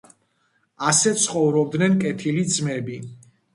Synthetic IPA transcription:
asɛt̪sʰχɔvɾɔb̚d̪nɛnkʼɛt̪ʰilid̪zmɛbi

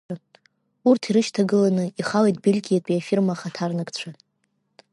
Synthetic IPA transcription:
a | urtʰiɾɨʃtʰaɡɨlanɨiχalejtʼbilʲɡʲijatʼiafirmaχatʰarnɨkʼt͡ɕʷʰa

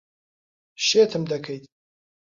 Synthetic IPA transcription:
ʃeːt̪ʰɨmd̪ɐkʰɐjt̪

